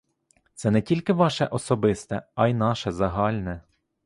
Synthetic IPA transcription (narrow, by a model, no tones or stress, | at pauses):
t̪sɛnɛtʲilʲkɪʋɑʃɛʔɔsɔbɪst̪ɛɐjnɑʃɛzɐɦɑlʲnɛ